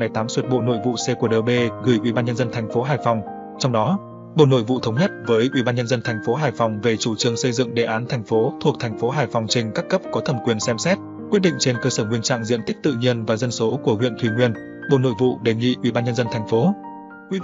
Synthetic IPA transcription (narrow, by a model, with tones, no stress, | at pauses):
na˨˩jt̪aː˨˦mswə˦˥t̚ɓo̰˧˨no̰˧˨jvṵ˧˨se˧ku˧˩əɗəː˨˧˩ɓe˧ɣɨ˧˩jʔi˧˩ɓaː˧nɲə˧nzə˧nt̪ʰɛ˨˩jŋ̟fo˨˦ɦaː˨˩jfa˨˩wŋ͡m | t͡ɕɔ˧wŋ͡mɗɔ˨˦ | ɓo̰˧˨no̰˧˨jvṵ˧˨t̪ʰə˨˦wŋ͡mɲə˦˥t̚vəː˨˦jʔwi˧˩ɓaː˧nɲə˧nzə˧nt̪ʰɛ˨˩jŋ̟fo˨˦ɦaː˨˩jfa˨˩wŋ͡mve˨˩t͡ɕu˧˩t͡ɕɨ˧˩əŋsə˧jzɨ̰˧˨ŋɗḛ˧˩ʔaː˨˦nt̪ʰa˨˩jŋ̟fo˨˦t̪ʰu˨˩ək̚t̪ʰa˨˩jŋ̟fo˨˦ɦaː˨˩jfa˨˩wŋ͡mt͡ɕï˧ŋkaː˦˥kːə˦˥p̚kɔ˨˦t̪ʰə˨˩mkwi˨˩ənsɛ˧msɛ˦˥t̚ | kwi˦˥t̚ɗḭ˧˨ŋ̟t͡ɕe˧nkəː˧səː˧˩ŋwi˧ənt͡ɕa̰ː˧˨ŋzḭ˧˨ənt̪i˦˥k̟̚t̪ɨ̰˧˨ɲi˧ənvaː˨˩zə˧nso˨˦ku˧˩əŋwḭ˧˨ənt̪wi˧˩ŋwi˧ən | ɓo̰˧˨no̰˧˨jvṵ˧˨ɗe˨˩ŋḭ˧˨ʔwi˧˩ɓaː˧nɲə˧nzə˧nt̪ʰɛ˨˩jŋ̟fo˨˦